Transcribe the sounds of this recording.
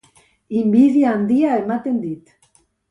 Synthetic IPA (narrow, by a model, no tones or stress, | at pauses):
imbiðjaːnd̪iaemat̪end̪it̪